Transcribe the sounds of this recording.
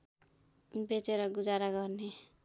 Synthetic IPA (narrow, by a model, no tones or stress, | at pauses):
bet͡seɾʌɡud͡zaɾaɡʌrne